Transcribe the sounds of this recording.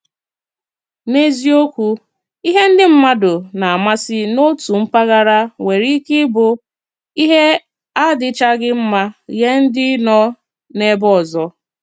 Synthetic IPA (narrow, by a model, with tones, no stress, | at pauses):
ne˦zi˦o˦kʷu˦ | i˦ɦe˦n̩˦dɪ˦m̩˦ma˦dʊ˨na˨a˨ma˦sɪ˦no˦tu˨m̩˦pa˦ɣa˦ɾa˦we˨ɾi˦kɪ˦bʊ˨ | i˦ɦe˦ | a˦dɪ˦t͡ʃa˦ɡɪ˦m̩˦ma˦je˦n̩˦dɪ˦nɔ˦ | ne˦bɔ˦˨zɔ˦